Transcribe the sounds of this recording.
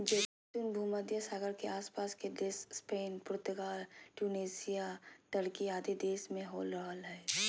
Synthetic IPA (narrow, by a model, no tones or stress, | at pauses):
d͡ʒeː | t͡ʃunbʱuːməd̪jəsaːɡəɾkeaːspaːsked̪eːsspeːnpɾʊt̪əɡaːlʈjuːneːsijaʈ̪əɽkiaːd̪id̪eːsmẽɦoːlɾəɦəlɦɛː